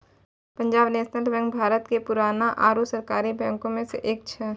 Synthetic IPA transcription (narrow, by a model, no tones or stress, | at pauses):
pə̃ɲd͡ʒaːbneːʃnəlbɛ̃ːŋk̚bʱaːɾət̪kepʊɾaːnaʔaːɾusəɾkaːɾibɛ̃ːŋkõmẽseʔeːk̚t͡ʃʰɛ